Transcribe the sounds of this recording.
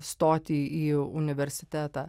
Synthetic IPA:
st̪oːt̪ʲiːiːʊnʲɪʋʲɛɾʲsʲɪt̪ʲæːt̪ɑː

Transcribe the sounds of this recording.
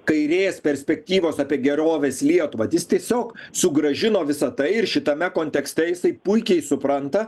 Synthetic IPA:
kɐɪɾʲeːspʲɛɾʲsʲpʲɛk̚t̪ʲiːʋoːsɑːpʲiɛɡʲɛɾoːʋʲeːslʲiɛt̪ʊʋɐt̪ʲɪst̪ʲiɛsʲoːksʊɡɾɐʒʲɪnoːʋʲɪsɐt̪ɐɪɪɾʃʲɪt̪ɐmʲɛkoːnʲt̪ʲɛksʲt̪ʲɛjɪsɐɪpʊɪkʲɛɪsʊpɾɐnt̪ɐ

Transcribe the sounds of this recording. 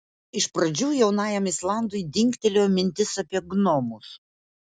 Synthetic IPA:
ɪʃpɾɐd͡ʒʲuːjɛʊnɑːjɛmɪslˠɑˑnd̪ʊjd̪ʲɪŋʲkʲt̪ʲɛlʲoːmʲɪnʲt̪ʲɪsɐpʲiɛɡnoːmʊs

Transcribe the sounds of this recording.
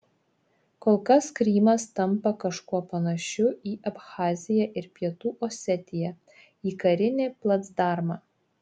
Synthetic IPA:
koːlˠkɐskɾʲiːmɐst̪ɐmpɐkɐʃkuɔpɐnɐʃʲʊiːʔɐpxɑːzʲɪjɛʔɪɾpʲiɛt̪uːʔoːsʲɛt̪ʲɪjɛ | iːkɐɾʲɪnʲeːplˠɐt̪sd̪ɑːɾmɑː

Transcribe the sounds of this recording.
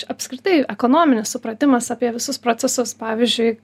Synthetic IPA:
ɐpʲskɾʲɪt̪ɐɪɛkoːnoːmʲɪnʲɪssʊpɾɐt̪ʲɪmɐsɑːpʲiɛʋʲɪsʊspɾoːt͡ssʲɛsʊspɑːʋʲizʲd͡ʒʲʊɪ

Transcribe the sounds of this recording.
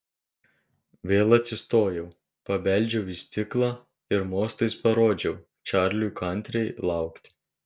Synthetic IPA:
ʋʲeːlˠɐt̪ʲsʲɪst̪oːjɛʊ | pɐʋʲɛˑlʲd͡ʒʲɛʊʋɪsʲt̪ʲɪklˠɑ | ɪɾmoːst̪ɐɪspɐɾoːd͡ʒʲɛʊ | t͡ʃɑˑɾʲlʲukɐˑnʲt̪ʲɾʲɛɪlˠɑˑʊkt̪ʲɪ̥

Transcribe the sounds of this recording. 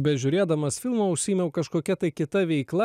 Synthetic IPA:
bʲɛʒʲʊɾʲeːd̪ɐmɐsfʲɪlˠmoːʊʃʲsʲiːmʲɛʊkɐʃkoːkʲɛt̪ɐɪkʲɪt̪ɐʋʲɛɪklˠɐ

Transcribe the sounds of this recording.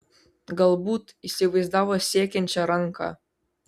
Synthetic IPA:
ɡɐlˠbut̪isʲɪʋɐjzd̪ɑʋosʲekʲenʲt͡ɕɛɾɑŋkʰɑ̰

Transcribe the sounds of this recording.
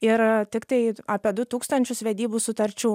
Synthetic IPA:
ɪɾt̪ʲɪkt̪ɐɪaːpʲiɛd̪ʊt̪uːkst̪ɐnʲt͡ʃʲʊsʋʲɛd̪ʲiːbuːsʊt̪ɐɾʲt͡ʃʲuː

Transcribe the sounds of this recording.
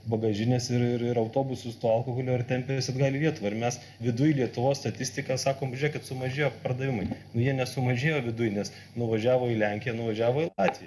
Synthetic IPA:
bɐɡɐʒʲɪnʲɛsɪɾɪɾɪɾɐʊt̪oːbʊsʊst̪oɐlˠkohʊlʲoːɪrt̪ʲɛmʲpʲɛɪsɐd̪ɡɑːlʲiːlʲiɛt̪ʊʋɐːɪɾmʲɛs | ʋʲɪd̪ʊjlʲiɛt̪ʊʋoːsst̪ɐt̪ʲɪsʲt̪ʲɪkɑsɑːkoːmbʲʒʲeːkʲɪt̪sʊmɐʒʲeːjoːpɐrd̪ɐʋʲɪmɐɪnʊjiɛnʲɛsʊmɐʒʲeːjoːʋʲɪd̪ʊjnʲɛs | nʊʋɐʒʲæːʋoːɪlʲɛŋʲkʲɪjɛnʊʋɐʒʲæːʋoːɪlˠɑːt̪ʲʋʲɪjɛ

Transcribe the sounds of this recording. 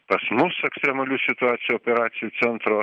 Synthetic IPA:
pɐsmʊsɛkst̪ʲɾʲɛmɐlʲuːsʲɪt̪ʊɑːt̪sʲɪjuoːpʲɛɾɑːt̪sʲɪjuːsʲɛnt̪ɾoː

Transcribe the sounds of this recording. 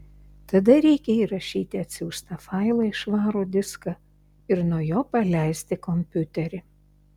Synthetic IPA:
t̪ɐd̪ɐɾʲɛɪkʲɛiɾɐʃʲiːt̪ʲɪɐt̪ʲsʲɪʊst̪ɐfɐɪlˠɐɪʃʋɑːɾuːd̪ʲɪskɐ | ɪɾnuɔjoːpɐlʲɛˑɪsʲt̪ʲɪkɔmʲpʲʊt̪ʲɛɾʲɪ

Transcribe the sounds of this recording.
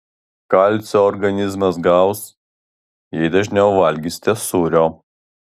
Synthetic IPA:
kɐˑlʲt̪sʲoːɔɾɡɐnʲɪzmɐs̬ɡɑˑʊs | jɛɪd̪ɐʒʲnʲɛʊʋɐlʲɡʲisʲt̪ʲesuːɾʲoː

